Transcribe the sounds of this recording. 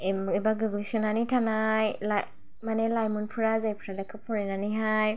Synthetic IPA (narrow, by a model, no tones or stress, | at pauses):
ɛmibaɡɯɡlisɯnanitʰanajla | manɛlajmunpʰɯɾazajpʰɯɾalakʰɯpʰɔɾinaniɦaj